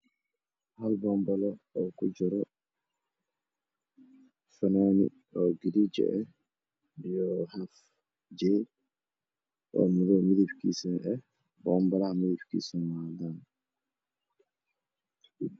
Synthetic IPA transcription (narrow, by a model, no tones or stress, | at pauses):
halbɔmbalaʔɔkud͡ʒɔɾɔ | fɛnonḭ | ʔɔɡidid͡ʒɛ̰ʔɛ | dijɔhaf | d͡ʒɛ | ʔɔ̰midɔmid̪ifkisɛnɛ | bɔmbalahamidifkḭsɔnwadan